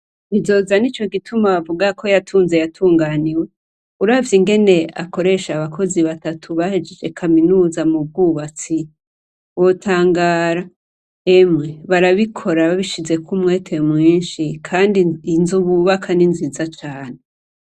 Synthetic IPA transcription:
izo̞zanit͡ʃo̞ɡitʰumaβavuɡakʰo̞jatʰuːnze̞jatʰuːŋɡaniwe̞ | uɾaːvjiŋɡe̞ne̞a̰ko̞ɾe̞ʃaβakʰo̞ziβatatʰuβahed͡ʒe̞d͡ʒe̞kʰaminuːzamub̚ɡuːβat͡si | wo̞tʰaːŋɡaːɾa | emŋeβaɾaβikʰo̞ɾaβaβiʃize̞kʰumŋe̞ːtʰe̞mŋiːnʃikʰaːndinzuβuβakʰaninziːzat͡ʃaːne̞

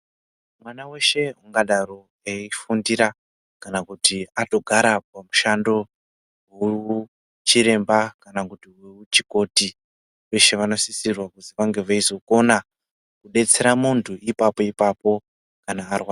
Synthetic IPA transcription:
mwanawe̞ʃe̞ɦuŋɡaɗaɾo | eifundiɾa | kanakutiato̞ɡʱaɾapamuʃando̞ | ɦuu | t͡ʃiɾe̞mbakanakutiweut͡ʃiko̞ti | ʋe̞ʃe̞ʋano̞sisirwakuziʋaŋɡe̞ʋaizo̞ko̞na | kuɗe̞t͡se̞ɾamuntʰuʔipapo̞ipapo̞ | kanaːrwa

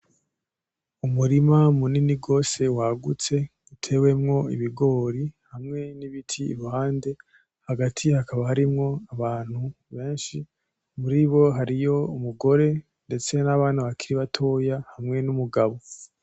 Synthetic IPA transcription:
umuɾimamuniniɡo̞ːse̞waɡut͡se̞̥ | utʰe̞we̞mŋo̞iβiɡo̞ːɾihamŋe̞niβitʰḭːɾuhaːnde̞ | haɡatʰihakʰaβahaɾimŋo̞aβaːn̥hu | βe̞ːnʃi | muɾiβo̞ɦaɾijo̞umuɡo̞ɾe̞ | nde̞t͡se̞naβaːnaβakʰiɾiβatʰo̞jahamŋe̞numuɡaβo̞

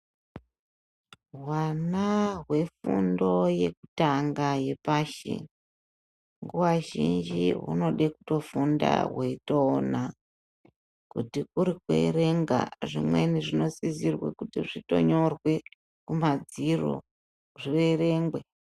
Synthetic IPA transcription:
ɦwanaɦwe̞fṵndo̞je̞ku̥taŋɡaje̞paʃḛ | ŋɡuwaʒind͡ʒiɦṵno̞ɗeku̥to̞funda̰weitoːna | kutikuɾikwḛɾe̞ŋɡa̰ʐimwe̞̰niʐino̞sizirwḛkutiʐito̞̰ɲo̞rwe̞ | kumad͡ziro̞̰ | ʐire̞re̞ŋɡwe̞

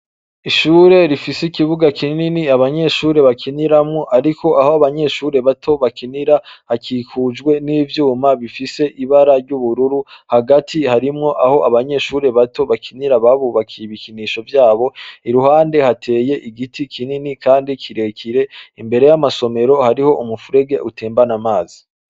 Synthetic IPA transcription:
iʃuːɾe̞ɾifisikiβuɡakʰininiaβaɲe̞ʃuːɾe̞βakʰiniɾamŋo̞ʔaɾikʰo̞ʔahoaβaɲe̞ʃuːɾe̞βatʰo̞βakiniɾahakikʰud͡ʒɡwe̞niːvjuːmaβifise̞ʔiβaɾaɾɟuβuɾuɾuhaɡatʰihaɾimŋo̞ʔaho̞ʔaβaɲe̞ʃuːɾe̞βato̞βakʰiniɾaβaβuβakʰiiβikʰiniʃo̞vjaːβo̞iɾuhaːnde̞hatʰe̞ːje̞ʔiɡitikʰininikʰaːndikʰiɾe̞kʰiɾe̞imbe̞ɾe̞jamaso̞me̞ɾo̞haɾiho̞ʔumufuɾe̞ɡe̞ʔutʰeːmbanamaːzi

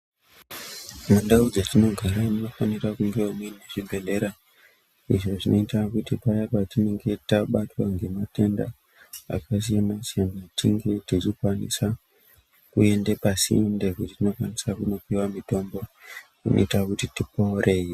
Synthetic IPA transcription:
mandaud͡zatino̞ɡʱaɾanino̞fanirakuŋɡeumweneʐibe̞le̞ɾa | iʐo̞ʐino̞itaakutipajapatine̞ŋɡe̞itaɓatwaŋɡe̞mate̞nda̰ | a̰kas̬ijamasijanatiŋɡe̞tit͡ʃikwanḭsa | kue̞ndepasḭnde̞kutitino̞kwanisakuno̞piwamito̞mbo̞kuno̰itakutitiporʔe̞i

